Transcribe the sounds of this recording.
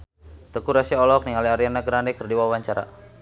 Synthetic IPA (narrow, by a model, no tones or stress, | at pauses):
t̪əkuɾasiɔlɔk̚niŋaliaɾianaɡɾandɛkərdiwawaɲt͡ʃaɾa̰